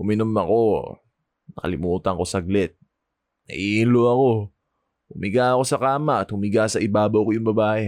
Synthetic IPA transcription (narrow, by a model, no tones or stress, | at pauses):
ʔʊmɪnomɐko̞ | nɐkɐ̰lɪmuːt̪ɐŋko̞sɐɡlɛt̪̚ | nɐ̰ʔiːʔɪnloɐko̞ | ʊmɪɡaʔɐko̞sɐkaːmɐʔɐt̪hʊmɪɡasɐʔɪbaːbɐwkojʊŋbɐbaːʔɛ